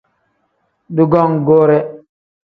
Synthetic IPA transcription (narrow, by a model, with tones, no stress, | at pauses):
du˦ɡɔ˦ŋɡoː˦ɾɛ˦